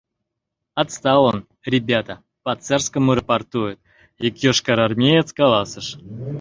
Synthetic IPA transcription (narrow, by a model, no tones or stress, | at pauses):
at̪st̪alən | rʲɪbʲat̪ə | pɐt̪sɛrskəməɾəpart̪ujʊt̪̚ | ikjoʂkaɾarmʲejet̪skalˠasɨʂ